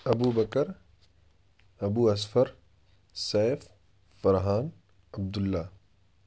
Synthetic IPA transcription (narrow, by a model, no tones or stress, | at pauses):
ɐbuːbɐkəɾ | ɐbuːɐsfəɾ | sɛːfː | ɐɾɦaːn | ɐb̚d̪ʊlːaː